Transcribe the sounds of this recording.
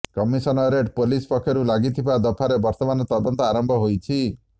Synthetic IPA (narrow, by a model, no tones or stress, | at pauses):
kɔmisɔnɔɾeʈpolispɔkʰːjɔɾulaɡit̪ʰibad̪ɔpʰaɾebɔɾt̪ɔmanɔt̪ɔd̪ɔnt̪ɔaɾɔmbʱɔɦojt͡ʃʰi